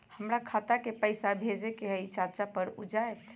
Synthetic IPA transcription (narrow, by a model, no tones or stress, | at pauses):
həmɾakʰat̪akepəɪsabʱed͡ʒekeɦəit͡ʃat͡ʃapəɾṵd͡ʒaet̪